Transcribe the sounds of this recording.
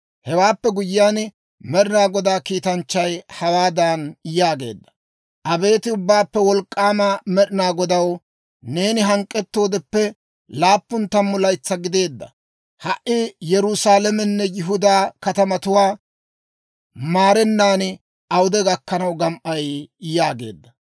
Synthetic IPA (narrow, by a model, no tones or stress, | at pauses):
hɛwaːpːɛɡʊjɪjaːn | mɛɗɪnaːɡɔd̪aːkiːt̪ɐnt͡ʃːɐjhɐwaːd̪aːnjaːɡe̞̰ːd̪ːɐ̥ | ʔɐbe̞ːt̪ɪʊbːaːpːɛwɔlkʼːaːmamɛɗɪnaːɡɔd̪ɐw | ne̞ːnɪɦɐŋkʼːɛt̪ːo̞ːd̪ɛpːɛ | laːpːʊnt̪ːɐmːʊlɐjt͡sːɐɡɪd̪e̞ːd̪ːɐ̰ | hɐʔɪjɛɾʊsaːlɛmɛnːɛjɪɦʊd̪aːkɐt̪ɐmɐt̪ʊwaː | maːɾɛnːaːn | ʔɐwd̪ɛɡɐkːɐnɐwɡɐmʔɐjjaːɡe̞ːd̪ːɐ